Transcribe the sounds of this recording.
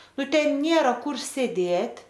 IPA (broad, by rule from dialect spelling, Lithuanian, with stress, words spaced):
ˈnʊ ˈtʲɛn ˈnʲeːrɐ ˈkʊr sʲeːˈdʲeːtʲ